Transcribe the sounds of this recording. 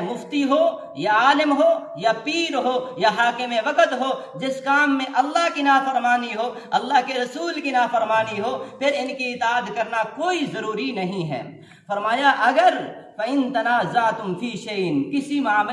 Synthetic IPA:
mʊft̪iɦo | jaaːlɪmɦoː | japiːɾɦoːjaɦaːkɪmeʋɐkət̪ɦo | d͡ʒɪskaːmːẽʔɐlːaɦkinaːfɐɾmaːniɦoː | ɐlːaɦkeɾɐsuːlkinaːfɐɾmaːniɦoːpʰɪɾɪnkiɪt̪aːd̪kɐɾnakoːizɐɾuːɾinɐɦĩɦɛ̰ː | fɐɾmaːjaʔɐɡəɾ | fɐɪnt̪ɐnaːzaːt̪ʊmfiːʃeɪnkɪsimaːm

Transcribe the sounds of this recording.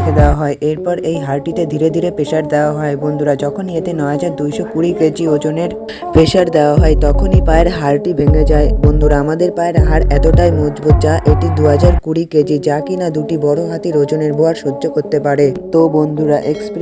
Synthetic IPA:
kʰed̪eoaɦɔeʔeɾpɔɾejɦaɾʈit̪ed̪ʱiɾed̪ʱiɾepeʃaɾd̪eoaɦɔebond̪ʱuɾad͡ʑɔkʰonːiet̪enɔeɦad͡ʑaɾd̪ujʃokuɾiked͡ʑiod͡ʑoneɾ | peʃaɾd̪eoaɦɔet̪ɔkʰonipaeɾɦaɾʈibʱeŋed͡ʑaebond̪ʱuɾaamad̪eɾpaeɾɦaɾɛt̪oʈajmod͡ʑbot̪̚d͡ʑaʔeʈid̪uɦad͡ʑaɾkuɽiked͡ʑid͡ʑakinad̪uʈibɔɽoɦat̪iɾod͡ʑoneɾboaɾʃodːʒokoɾt̪epaɾet̪obond̪ʱuɾaʔeksp

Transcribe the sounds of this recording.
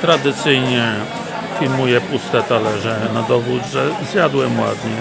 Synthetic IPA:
t̪ɾad̪ɘt̪sɘjɲɛ | fʲilmujɛpust̪ɛt̪alɛʐɛnad̪ɔvud̪ʐɛzjad̪wɛmwa̰d̪ɲɛ

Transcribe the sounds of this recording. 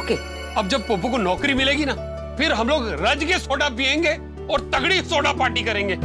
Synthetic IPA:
oːkeː | ɐb̚d͡ʒɐb̚poːp̬ukonɔːkɾimɪleːɡinɐ | pʰɪɾɦɐmloːɡɾɐd͡ʒkesoːɖapiẽːŋɡeː | ɔːɾt̪ɐɡɽisoːɖapaːʈikɐɾẽːŋɡeː

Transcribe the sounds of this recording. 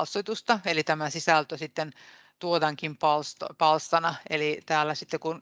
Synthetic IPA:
lsːot̪ust̪ɑelit̪æmæsisælt̪øsit̪ːen | t̪uot̪ɑŋkimpɑlst̪pɑlst̪ɑnɑḛlit̪æːlːæsit̪ːekun

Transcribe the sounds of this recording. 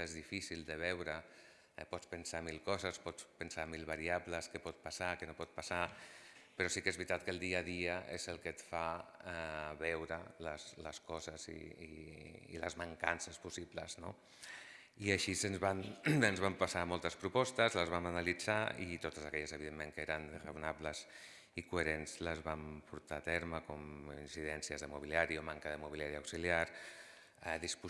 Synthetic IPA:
ezðifisilˠd̪əβ̞ɛwɾə | pɔt͡spənsamilˠkɔzəspɔt͡spənsamilˠβəɾiabləskəpɔt̪̚pasakənopɔt̪̚pasa | pəɾɔsikezβɾit̪at̪̚kəlˠd̪iəðiəʔezəlˠkət̪fa | βɛwɾə̰ləsləskɔzəzḭː | ḭlə̰zməŋkansəspusiblə̰zno̰ | iəʃisənzβanənzβampəsamɔlˠt̪əspɾupɔst̪əzləzβ̞amənəlid͡zaḭt̪ot̪əzəkɛʎəzəβiðemːeŋkəeɾənrəunabləz | ikueɾenzləzβampuɾt̪aːt̪ɛɾməkɔmḭnsiðɛnsiəzðəmuβiliaɾiomaŋkəðəmuβiliaɾiawksiliaɾ | ɛðispu

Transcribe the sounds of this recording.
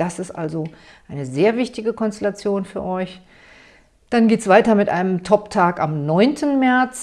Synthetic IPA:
d̥asɪstʔa̰lzo | ʔaɪnəzeːɐvɪçtɪɡəkʰɔnstɛlat͡sjoːnfyːɐʔɔʏç | d̥anɡeːtsv̥aɪtɐmɪtʔa̰ɪnəmtʰɔptʰaːka̰mnɔʏntʰən̩mɛɐt͡s

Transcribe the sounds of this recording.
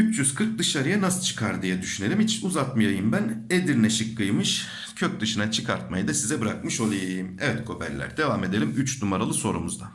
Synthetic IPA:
yt͡ʃjyz̥kʰɯɾk̚d̪ɯʃaɾɯjanasɯt͡ʃʰɯ̥kʰaɾd̪ijɛd̪yʃyne̞lʲimit͡ʃʰinuzat̪̚mɯjajɯmbæned̪iɾnɛʃɯkːɯjmɯʃ | cʰøc̚d̪ɯʃɯnat͡ʃʰɯkʰaɾt̪̚majɯd̪asizɛbɯɾak̚mɯʃo̞lˠajajɯmɛvɛt̪kʰo̞pʰæ̰ɾlːʲæ̰ɾd̪e̞vame̞d̪e̞lʲimyt͡ʃnumaɾalˠɯso̞ɾumuzd̪a

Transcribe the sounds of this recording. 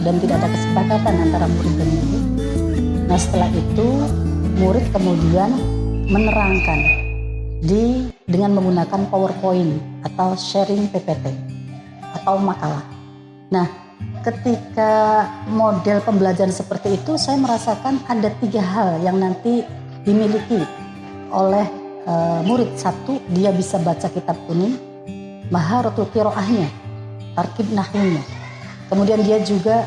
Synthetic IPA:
dant̪idaʔdakəsəpakat̪anant̪aɾamuɾɪt̪̚anani | nahsə̥t̪əlaɦit̪umuɾɪt̪̚kəmudianmənəɾaŋkan | didəŋanməŋɡunakanpawərpoɪnat̪awʃɛɾɪŋpepet̪ɛ | at̪awmakalah | nah | kət̪ikamodɛlpəmbəlad͡ʒaɾansəpərt̪iːt̪usajaməɾasakanadat̪iɡaɦaljaŋnant̪i | dimiliki | ʔolɛh | əmuɾɪt̪̚sat̪udiabisabat͡ʃakit̪ab̚t̪unɪŋ | maɦaɾət̪ut̪iɾoʔahɲa | t̪arkɪb̚nahɪɲa | kəmudiandiad͡ʒuɡa

